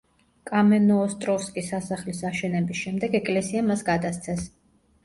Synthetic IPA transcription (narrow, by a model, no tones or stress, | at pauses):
kʼamɛnɔːst̪ʼɾɔfskʼisasaχlisaʃɛnɛbisʃɛmd̪ɛɡɛkʼlɛsiamasɡad̪ast̪sʰɛs